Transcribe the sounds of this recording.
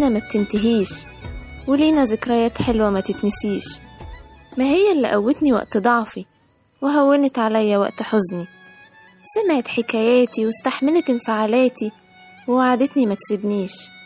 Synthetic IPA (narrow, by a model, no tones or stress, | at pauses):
ʔænæmæb̚t̪ɪnt̪ɪɦiːʃ | wɪliːnæzɪkɾɑjæːt̪ħelwæmæt̪ɪt̪nɪsiːʃ | mæɦɪjːælːiʔæwːet̪niwæ̰ʔt̪d̪ˤɑʕfi | weɦæwːent̪ʕalæjːæwæ̰ʔt̪ħozni | sæmʕet̪ħekæjæːt̪iwɪst̪aħmelet̪ɪmfaʕaːlæːt̪i | wewaʕad̪et̪nimæt̪sɪbniːʃ